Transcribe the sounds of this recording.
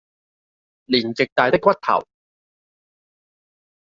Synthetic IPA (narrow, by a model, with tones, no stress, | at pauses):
liː˨˩nt͡sɪ˨k̚t̪aː˧jt̪ɪ˥kːwɐ˥t̚t̪ʰɐ̰˨˩w